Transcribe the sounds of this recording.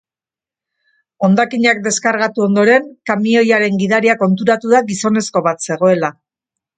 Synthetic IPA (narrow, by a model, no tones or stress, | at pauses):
o̞nd̪akiɲak̚d̪e̞skaɾɣat̪uo̞nd̪o̞ɾe̞ŋkamio̞jaɾe̞ŋɡiðaɾiako̞nt̪uɾat̪uðaɣiso̞ne̞sko̞βat̪se̞ɣo̞e̞la